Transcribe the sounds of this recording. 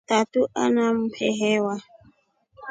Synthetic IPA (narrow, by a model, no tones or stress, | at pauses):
t̪at̪uʔa̰nam̩pʰɛɦɛwa